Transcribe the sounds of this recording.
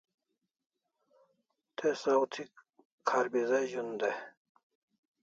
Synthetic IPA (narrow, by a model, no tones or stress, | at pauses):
t̪ʰesawt̪ʰi | kʰaɾbizeʑund̪e